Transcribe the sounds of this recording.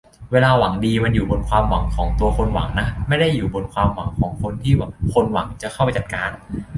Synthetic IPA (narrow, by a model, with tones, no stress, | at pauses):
weː˧laː˧wa˩˦ŋdiː˧ma˧njuː˨˩bo˧nkʰwaː˧mwa˩˦ŋkʰɔː˩˦ŋt̪u˧ɐkʰo˧nwa̰˨˩˦ŋna˦˥ma˥˩jda˥˩jːuː˨˩bo˧nkʰwaː˧mwa˩˦ŋkʰɔː˩˦ŋkʰo˧nt̪ʰiː˥˩baː˨˩kʰo˧nwa˩˦ŋt͡ɕa˨˩kʰxa˥˩pa˧jt͡ɕa˨˩t̪̚kaː˧n